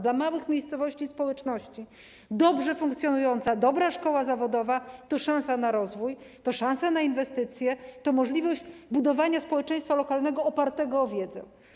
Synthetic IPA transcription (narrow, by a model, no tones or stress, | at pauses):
d̪lamawɘxmʲejst̪sɔvɔɕt͡ɕispɔwɛt͡ʂnɔɕt͡ɕi | d̪ɔbʐɛfuŋkt̪sʲjɔnujɔnt̪sad̪ɔbɾaʂkɔwazavɔd̪ɔvat̪ɔʂãw̃sanaɾɔzvuj | t̪ɔʂãñsanainvɛst̪ɘt̪sʲjɛt̪ɔmɔʐlʲivɔʑd͡ʑbud̪ɔvaɲaspɔwɛt͡ʂɛ̃jst̪falɔkalnɛɡɔːpaɾt̪ɛɡɔːvʲjɛd̪zɛ̰